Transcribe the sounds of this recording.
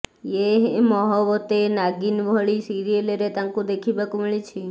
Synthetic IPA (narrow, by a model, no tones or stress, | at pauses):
eɦmɔɦɔʋɔt̪enaɡinʋʱɔɭisiɾieleɾet̪ãŋkũd̪ekʰibakumiɭit͡ʃʰi